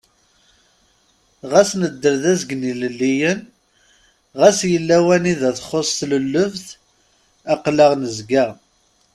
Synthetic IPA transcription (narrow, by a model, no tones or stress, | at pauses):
ʁæsnəd̪ːəɾðæzɡniləlːijən | ʁæsjəlːæwæniðæθχosˤθləlːəvθ | æqləʁnəzɡæ